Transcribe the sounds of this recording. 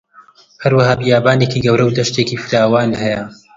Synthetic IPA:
hɐɾwɐhaːbijaːbaːneːkiːɡɐwɾɐwd̪ɐʃt̪eːkiːfɨɾaːwaːnhɐjɐ

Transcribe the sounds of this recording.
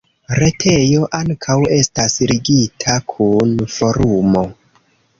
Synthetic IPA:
ɾe̞tʰe̞jo̞ʔaŋkʰawe̞stasɾiɡitʰakʰunfo̞ɾumo̞

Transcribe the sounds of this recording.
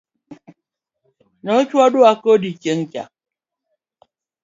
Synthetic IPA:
nɔkʲwadoakodikeŋ̩kʲja̰

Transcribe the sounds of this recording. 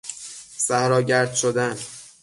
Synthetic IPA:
sæhɾɒːɟæɾd̪̥ʃod̪æn

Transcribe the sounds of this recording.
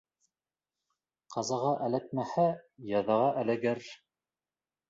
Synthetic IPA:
qɑzɑʁɑʔælæk̪̚mæhæjɑðɑʁɑʔælæɡæɾ

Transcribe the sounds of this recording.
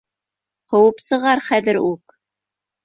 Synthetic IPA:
qŏwɤpsɤ̆ʁɑɾχæðɘɾʉk̚

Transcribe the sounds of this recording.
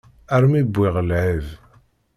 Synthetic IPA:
æɾmibʷːiʁəlʕiv

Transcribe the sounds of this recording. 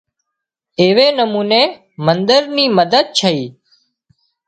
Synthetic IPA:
eːʋeːnəmuːneː | mənd̪əɾniːməd̪əd̪̚t͡ʃʰəiː

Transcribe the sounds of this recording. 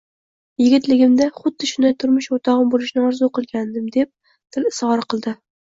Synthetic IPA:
jɪɡʲɪt̪lɪɡʲɪmd̪aχʊd̪ːɪʃʊnd̪ajt̪ʰʊɾmʊʃot̪ʰɒʁɨmbolɪʃnɪɒɾzʊqɨlˠɡʲand̪ɪmd̪e̞p̚ | t̪ʰɪlɪshɒɾqʰɨlˠd̪ɪ

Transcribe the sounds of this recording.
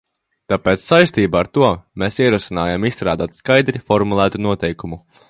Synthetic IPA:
t̪apeːt̪ssajst̪iːbaaɾt̪uɔmeːsiɛɾuɔsinaːjamisst̪ɾaːd̪aːt̪skajd̪ɾifɔɾmulˠæːt̪unuɔt̪ɛjkumu

